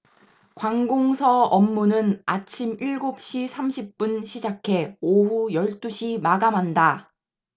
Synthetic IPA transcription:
kwaŋɡoŋsʰʌʌmːunɯnat͡ɕʰimiɭɡop̚ɕ͈isʰamɕʰip̚p͈unɕʰid͡ʑakʰe̞oɦujʌɭt͈uɕʰimaɡamɦanda

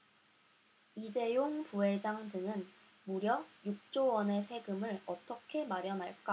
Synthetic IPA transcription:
id͡ʑe̞joŋpue̞d͡ʑaŋdɯŋɯn | muɾjʌjuk̚t͡ɕ͈owʌne̞sʰe̞ɡɯmɯɭʌt͈ʌkʰe̞maɾjʌnɦaɭk͈a

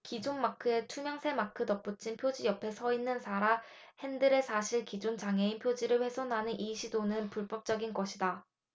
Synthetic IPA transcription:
kid͡ʑonmakʰɯe̞t͡ɕʰumjʌŋsʰe̞makʰɯtʌp̚p͈ut͡ɕʰinpʰjod͡ʑijʌpʰe̞sʰʌinːɯnsʰaɾa | he̞ndɯɾe̞sʰaɕʰiɭkid͡ʑont͡ɕaŋe̞inpʰjod͡ʑiɾɯɭɸwe̞sʰonɦanɯnʔiɕʰidonɯnpuɭb͈ʌp̚t͡ɕ͈ʌɡinɡʌɕʰida

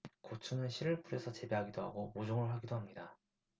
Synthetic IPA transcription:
kot͡ɕʰunɯnɕʰiɾɯɭp͈ʰuɾesʰʌt͡ɕe̞be̞ɦaɡidoɦa̰ɡomod͡ʑoŋɯɭɦaɡidoɦamɲida

